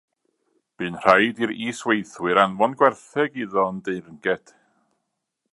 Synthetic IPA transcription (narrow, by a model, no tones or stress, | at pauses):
b̥ɨːnr̥ajdiɾiːswejθwɨɾanvɔnɡwɛrθɛɡiðɔəndejrŋɡɛd̥